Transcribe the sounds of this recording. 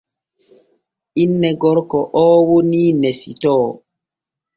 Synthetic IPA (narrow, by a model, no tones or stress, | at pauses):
ʔinːɛɡɔɾkɔʔɔːwoniːnɛsitɔː